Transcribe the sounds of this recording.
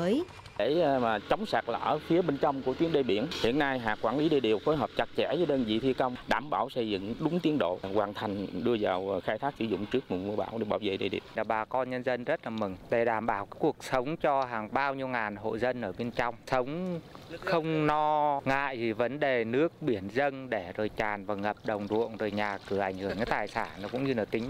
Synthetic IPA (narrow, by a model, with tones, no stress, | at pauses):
əː˨˦ | e˨˧˩maː˨˩t͡ɕa˨˦wŋ͡msaː˨˩k̚la̰˧˩˨ʔə˧˩fi˨˦əɓe˧nt͡ɕɔ˧wŋ͡mku˧˩ət̪i˨˦ənɗe˧˩ɓi˧˩ənhḭ˧˨ənːa˧jɦaː˨˩kwaː˧˩nli˨˦ɗe˨˩ɗḭ˨˩əwfo˨˦jɦəː˨˩p̚t͡ɕa˧˩k̚t͡ɕɛ̰˧˥zəː˨˦ɗəː˧nzḭ˧˨˩t̪ʰi˧ka˧wŋ͡mɗaː˧˩mɓaː˧˩wsə˧jzɨ̰˧˨ŋɗʊ˨˦ŋ͡mt̪i˨˦ənɗo̰˧˨kwaː˨˩nt̪ʰa˨˩jŋ̟ɗɨ˧əzaː˨˩wxaː˧jt̪ʰaː˦˥k̚sɨ˧˩zʊ̰˧˨ŋ͡mt͡ɕɨ˦˥ək̚mu˨˩t̚mu˧əɓaː˧˩wɗe˧˩ɓaː˧˩wzḛ˧˨ɗḛ˨˩ɗḭ˨˩əwaː˨˩ɓaː˨˩kɔ˧nɲə˧nzə˧nzə˦˥t̚laː˨˩mɨ˨˩ŋɗe˧˩ɗaː˧˩mɓaː˧˩wkaː˨˦jku˨˩ək̚sə˨˦wŋ͡mt͡ɕɔ˧ɦaː˨˩ŋɓaː˧wɲi˧əwŋaː˨˩nɦo̰˧˨jzə˧nʔəː˧˩ɓe˧nt͡ɕɔ˧wŋ͡msə˨˦wŋ͡mxə˧wŋ͡mnɔ˧ŋa̰ː˧˨jzi˨˩və˨˦nɗe˨˩nɨ˦˥ək̚ɓi˧˩ənzə˧nɗe˧˩zo˨˩jt͡ɕaː˨˩nvaː˨˩ŋə˨˩p̚ɗə˨˩wŋ͡mɗṵ˧˨əŋzo˨˩jɲaː˨˩kɨ˧˩ʔa˧˩jŋ̟hɨ˧˩əŋaː˨˦jt̪aː˨˩jsaː˧˩nnɔ˨˦kʊ̰˧˥ŋ͡mɲɨ˧na˨˩t̪ï˨˦ŋ̟